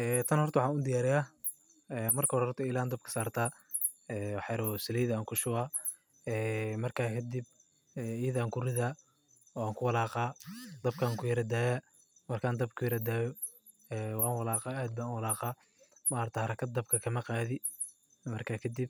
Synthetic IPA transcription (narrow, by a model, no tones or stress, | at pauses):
ɛːt̪ʰɐnhɔrt̪ɐwħɑaːnʊd̪ɪjaːɾɪjaː | ɛːmɐrkʰɐhɔɾhɔrt̪ʰɐilaːnd̪ɐb̚kʰɐ̥saːrt̪ʰaː | ɛːwɑħjɐɾɔsɪlɛːjðɐaːŋkʰʊʃʊaː | ɛːmɐrkʰaːkʰɐd̪ib̚ | ɛːiːðaːŋkʰʊrɪðaː | ɔaːŋkʰʊwɑlaːqɑːd̪ɐb̚kʰaːŋkʰʊjɐɾɐd̪aːjaː | mɐrkʰaːnd̪ɐb̚kʰʊjɐɾɐd̪aːjɔ | ɛːwɑːnwɑlaːqɑːaːd̪̚baːnwɑlaːqɑː | mɐrt̪ʰɐhɐɾɐkʰɐd̪̚d̪ːɐb̚kʰɐkʰɐmɐqaːðɪ | mɐrkʰaːkʰɐd̪ib̚